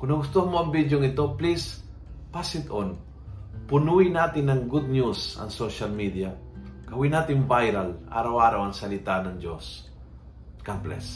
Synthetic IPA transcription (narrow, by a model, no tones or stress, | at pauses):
kʊnɐɡʊst̪okmoɐŋbid̪joŋɪt̪o̞plispasɪt̪ʔon | pʊnuɪnaːt̪ɪnːɐŋɡʊd̪̚njusɐ̰ŋsoʃalmid̪ijakɐwɪnaːt̪ɪŋbajɾalʔa̰ːɾawʔaːɾawɐŋsɐlɪt̪anɐŋd͡ʒos | kamplɛ̰s